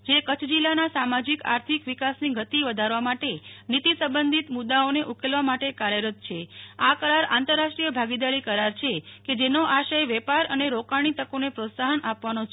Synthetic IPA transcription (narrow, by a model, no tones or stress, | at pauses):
d͡ʒekət͡ʃʰd͡ʒilːanasamad͡ʒika̰ɾt̪ʰikʋikasniɡʱət̪iʋəd̪ʱaɾʋamaʈenit̪isəmbənd̪ʱit̪mud̪ːaoneʔukelʋamaʈekaɾjəɾət̪̚t͡ʃʰeakəɾaɾa̰nt̪əɾːasʃʈɾijəbʱaɡid̪aɭikəɾaɾt͡ʃʰeked͡ʒenoʔaʃajʋɛpaɾəneɾokaɽ̃it̪əkonepɾot̪saɦənʔapʋanot͡ʃ